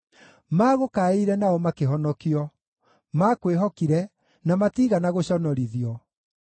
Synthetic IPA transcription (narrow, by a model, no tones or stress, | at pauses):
maːɣokaiɾɛnaɔmakeɦɔnɔkiɔ | makweɦɔkiɾɛ | namatiɣanaɣoɕɔnɔɾiðiɔ